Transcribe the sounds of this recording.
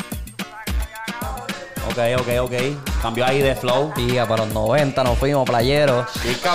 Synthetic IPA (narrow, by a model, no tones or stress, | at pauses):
o̰kejokejokejkambjoaiðeflowiapaloznoβẽnt̪anofwimoplajeɾoika